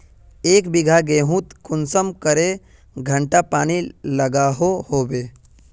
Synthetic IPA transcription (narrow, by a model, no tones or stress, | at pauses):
eːkbɪɡʱaɡẽːɦũt̪kʊnsəmkəɾe | ɡʱə̃ɳʈapaːniləɡaɦohoːbeː